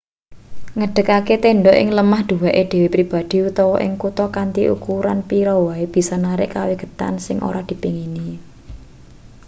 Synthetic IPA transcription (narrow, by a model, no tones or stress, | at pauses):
ŋəɖ̥ə̤kaket̪eɳɖɔʔɪ̰ŋləmahd̪̥uwaʔed̪̥e̤wepɾib̥a̤d̪̥i̤ut̪ɔwɔʔɪ̰ŋkut̪ɔkant̪iʔṵkuɾanpiɾɔwaeb̥i̤sɔnaɾɪʔkaweɡ̥ə̥̤t̪a̰nsɪŋʔo̰ɾad̪̥i̤piŋini